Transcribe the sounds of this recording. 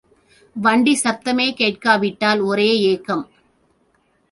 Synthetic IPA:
ʋɐɳɖisɐt̪ːɐmeːkeːʈkaːʋɪʈːaːlɔɾeːeːkːɐm

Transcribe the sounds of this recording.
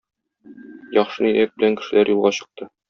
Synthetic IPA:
jɒχʃɤnijæk̚bɘ̆læŋkɘ̥̆ʃɘ̆læɾjulˠʁɑɕɤ̆q̚t̪ɤ

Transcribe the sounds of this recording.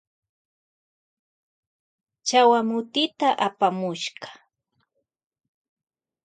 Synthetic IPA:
t͡ʃawamʊt̪ɪt̪aʔapamʊʃɢɑ̥

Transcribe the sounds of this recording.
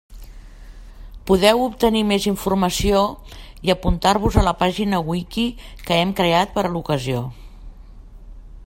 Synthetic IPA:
puðɛwup̚t̪ənimeziɱfurməsio | iəpunt̪aɾβuzələpaʒinəwikikəɛmkɾeat̪̚pəɾəlukəzio

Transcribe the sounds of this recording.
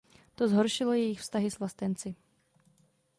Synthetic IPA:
t̪ozɦoɾʃɪlojɛjɪxfst̪aɦɪzvlast̪ɛnt͡sɪ

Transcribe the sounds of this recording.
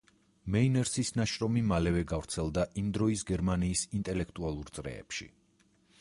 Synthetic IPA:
mɛinɛɾsisnaʃɾɔmimalɛvɛɡavɾt̪sʰɛlˠd̪aʔimd̪ɾɔisɡɛɾmaniːsint̪ʼɛlɛkʰt̪ʼualˠuɾt̪sʼɾɛ̰ɛ̰pʃḭ

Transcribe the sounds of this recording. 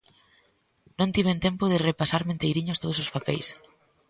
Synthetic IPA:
nõnt̪iβent̪empʊð̞ɪrepasaɾmẽnt̪ejɾiɲʊst̪oð̞ʊsʊspapɛjs

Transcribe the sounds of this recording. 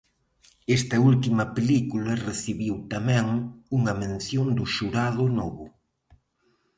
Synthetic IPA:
ɛst̪ɐult̪imɐpelikulɐreθiβiwt̪amɛ̃ŋuŋɐmẽnθjond̪ʊʃuɾaðʊnɔβʊ

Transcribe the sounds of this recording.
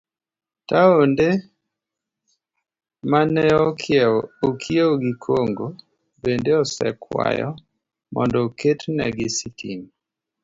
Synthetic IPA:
taonde | manɛɔkʰɪɛokʰieoɡikʰoŋɡo | bendeɔsɛ̰kwa̰jɔ̰ | mɔndɔketnɛ̰ɡisitḭn

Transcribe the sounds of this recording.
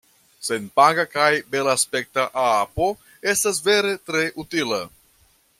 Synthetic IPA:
se̞npaɡakajbe̞laːspe̞k̚taʔaapo̞ | e̞stas̬ve̞ɾe̞tɾe̞ʔutila

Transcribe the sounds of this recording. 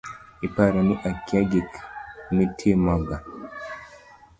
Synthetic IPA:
ipaɾaniʔakjaɡikmitʰemaɡa

